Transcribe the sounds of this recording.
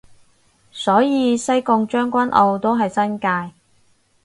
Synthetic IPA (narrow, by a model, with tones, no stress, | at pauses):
sɔː˨˥jiː˨˧sɐ˥jkʊ˧ŋt͡ʃœː˥ŋkʷɐ˥nʔo˧wt̪o˥wɦɐ˨jsɐ˥nkaː˧j